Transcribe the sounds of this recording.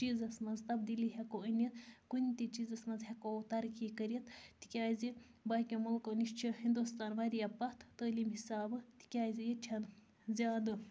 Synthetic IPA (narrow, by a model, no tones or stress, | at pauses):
t͡ʃiːzɐsmɐnzt̪ɐbd̪iliɦɛkoənɐt̪kunʲt̪ʲit͡ʃiːzɐsmɐnzɦekot̪ɐɾkikɐɾijɐt̪t̪i̥kʲaːzi | baːkʲõmɐlkoniʃt͡ʃʰiɦind̪ust̪aːnʋaːɾijɐpɐt̪ʰt̪əːliːmɦisaːbɨt̪i̥kʲaːzijit͡ʃʰɐn | zʲaːd̪ɨ